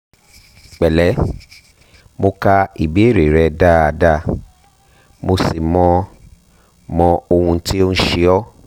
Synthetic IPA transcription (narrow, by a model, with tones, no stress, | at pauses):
k͡pɛ˨lɛ˨˦ | mo˧ka˧i˨bi˨˦e˦˨ɾe˨ɾɛ˧da˦a˧da˦˧ | mo˧si˨mɔ̃˧ | mɔ̃˧o˧hũ˧ti˦o˦ñ̩˦ʃe˧ɔ˦